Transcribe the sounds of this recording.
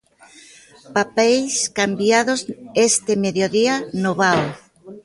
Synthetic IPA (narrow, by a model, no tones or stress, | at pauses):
papɛjskambjaðozest̪ɪmeðjoðianoβaw